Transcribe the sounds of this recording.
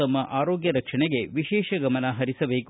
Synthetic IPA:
ɐmːɐʔaːɾoːɡjɐɾɐkʂɐɳɛɡe̞ʋiʃɛːʃɐɡɐmɐnɐɦɐɾisɐbeːk

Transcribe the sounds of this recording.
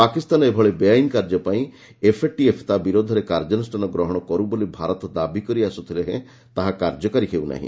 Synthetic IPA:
pakist̪anɔebʱɔɭebejajnkaɾd͡ʒɔpaĩ | epʰeʈiepʰt̪abiɾod̪ʱɔɾekaɾd͡ʒɔnɔsʈanɔɡɾɔɦɔɽ̃ɔkɔɾubolibʱaɾɔt̪ɔd̪abikɔɾiasut̪ʰileɦḛ̃ | t̪aɦakaɾd͡ʒɔkaɾiɦʰewna̰ɦḭ̃

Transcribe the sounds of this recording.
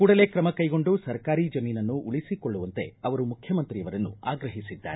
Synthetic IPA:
kuːɽɐle̞ːkɾɐmɐkɐjɡo̞ɳɖusɐɾkaːɾiːd͡ʒɐmiːnɐnːuʔuɭisiko̞ɭːuʋɐnt̪e̞̰ɐʋɐɾumukʰjɐmɐnt̪ɾijɐʋɐɾɐnːṵa̰ːɡɾɐɦisid̪ːa̰ːɾe

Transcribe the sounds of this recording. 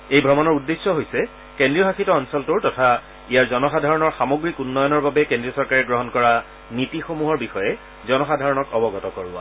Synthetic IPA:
ejbʱɹɔmɔnɔɹudːesːɔɦojsɛ | kendɹijɔɦakʰitɔːnsɔltʊɹtɔtʰa | ijaɹzɔnɔxadʱaɹɔnɔɹxamoɡɹikunːɔjɔnɔɹbabɛkẽndɹiɔsɔɹkaɹɛɡɹɔɦɔnkɔɹa | nitixomuɦɔɹbixɔjɛ | zɔnɔxadʱaɹɔnɔkɔbɔɡɔtɔkɔɹʊa̰

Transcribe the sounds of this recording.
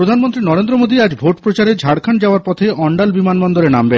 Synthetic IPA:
ɾod̪ʱanmont̪ɾinɔɾend̪ɾomod̪iad͡ʑbʱoʈpɾot͡ɕaɾed͡ʑʱaɽkʰand͡ʑaoaɾpɔt̪ʰejʔɔɳɖalbimanmɔnd̪oɾenambe

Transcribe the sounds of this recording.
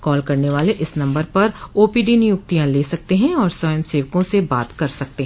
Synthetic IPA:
kɔːlkɐɾneʋaːleʔɪsnɐ̃mbəɾpɐɾoːpiːɖinɪjʊk̚t̪ijãleːsɐk̚t̪eɦɛ̃ɔːɾsɔjəmseːʋkõsebaːt̪kɐɾsɐk̚t̪eɦɛ̃

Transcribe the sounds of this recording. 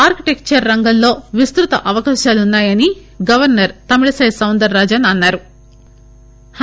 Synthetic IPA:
aːɾkiʈekt͡ʃɐɾːɐŋɡɐllo̞ːʋist̪ɾut̪ɐ̰ʔɐʋɐkaːʃaːlunːaːjɐni | ɡɐʋɐɾnɐɾt̪ɐmiɽɐsɐjsɐwnd̪ɐɾːaːd͡ʒɐnɐnːaːɾu | h

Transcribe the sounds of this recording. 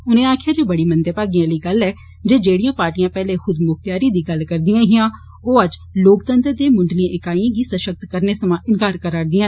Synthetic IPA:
ʊnẽːaːkʰɪjaːd͡ʒeːbəɽiːmənd̪eːpaːɡijãːləiːɡəlɛː | d͡ʒeːd͡ʒeːɽijãːpaːɾʈijãːpɛːleːxʊd̪mʊkʰt̪jaːɾiːd̪iːɡəlkəɾd̪ɪjãːɦɪjãː | oːəd͡ʒloːkt̪ənt̪ɾd̪eːmʊɳɖliãːʔɪkaːiãːɡiːsəʃək̚t̪kəɾneːsəmãːʔɪnkaːɾkəɾaːɾd̪ijãː

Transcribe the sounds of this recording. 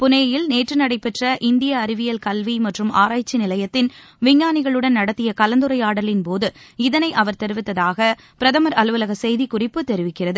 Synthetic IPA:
pʊnɐjɐjɪlneːʈrɯnɐɽɐɪpːɛʈrɐʔɪnd̪ɪjɐːɾɪʋɪjɐlkɐlʋimɐʈrɯmʔaːɾaːjt͡ʃːinɪlɐjɐt̪ːɪn | ʋɪɲːaːnɪɣɐɭɯɽɐnnɐɽɐt̪ːɪjɐkɐlɐnd̪ɯɾɐɪaːɽɐlɪnpoːðɯɪðɐnɐɪʔɐʋɐɾt̪ɛɾɯʋɪt̪ːɐðaːɣɐ | pɪɾɐðɐmɐɾɐlɯʋɐlɐɣɐsɛjðikʊrɪpːɯt̪ːɛɾɪʋɪkːɪrɐðɯ

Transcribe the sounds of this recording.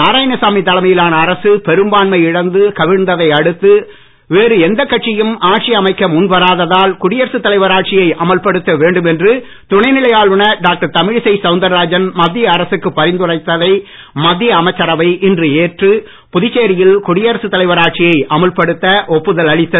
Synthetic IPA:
naːɾaːjɪnɐsaːmit̪ːɐlɐmɐjɪlaːnɐːɾɐsɯpɛɾɯmbaːnmɐɪɪɽɐnd̪ɯkɐʋɪɽnd̪ɐðɐɪɐɽɯt̪ːɯ | ʋeːɾɯɛnd̪ɐkːɐʈ̚t͡ʃːɪjɯmaːʈ̚t͡ʃɪjɐmɐɪkːɐmʊnʋɐɾaːðɐðaːlkʊɽɪjɐɾɐsɯt̪ːɐlɐɪʋɐɾaːʈ̚t͡ʃɪjɐɪʔɐmɐɭpɐɽɯt̪ːɐʋeːɳɖɯmɛndrɯ | t̪ʊɳɐɪnɪɭɐjaːɭʊɳɐɖaːk̚ʈɐɾt̪ɐmɪɻɪsɐɪsɐʊnd̪ɐɾaːd͡ʒɐnmɐd̪ːɪjɐːɾɐsɯkːɯpːɐɾɪnd̪ɯrɐɪt̪ːɐðɐɪ | mɐd̪ːɪjɐːmɐɪt͡ʃːɐɾɐʋɐɪʔɪndrɯeːʈrɯ | pʊðɪt͡ʃːeːɾɪjɪlkʊɽɪjɐɾɐsɯt̪ːɐlɐɪʋɐɾaːʈ̚t͡ʃɪjɐɪʔɐmɐlpɐɽɯt̪ːɐʔɔpːɯðɐlɐɻɪt̪ːɐ

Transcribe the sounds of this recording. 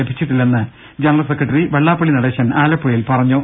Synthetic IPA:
ebʱit͡ɕːiʈːilːenːɨ | d͡ʑenɐrɐlsekrɐʈːɐriʋeɭːaːpːɐɭinɐɽeːɕɐnaːlɐpːoːjilpɐrɐɲːoː

